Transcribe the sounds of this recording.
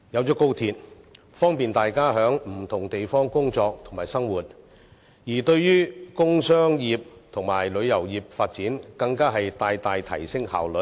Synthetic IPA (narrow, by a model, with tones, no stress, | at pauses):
jɐ˨˧wt͡sɔː˨˥ko˥wt̪ʰiː˧t̚ | fɔː˥ŋpiː˨nt̪aː˨jkaː˥ɦœː˨˥ŋm̩˨˩t̪ʰʊ˨˩ŋt̪e˨jfɔː˥ŋkʊ˥ŋt͡sɔː˧k̚t̪ʰʊ˨˩ŋmaː˨˩jsɐ˥ŋwuː˨˩t̚ | jiː˨˩t̪ɵ˧ɥjyː˥kʊ˥ŋsœː˥ŋjiː˨p̚t̪ʰʊ˨˩ŋmaː˨˩jlɵ˨˧ɥjɐ˨˩wjiː˨p̚faː˧t̚t͡siː˨˥nkɐ˧ŋkaː˥ɦɐ˨jt̪aː˨jt̪aː˨jt̪ʰɐ̰˨˩jsɪ˥ŋha̰ː˨wlɵ˨˧˥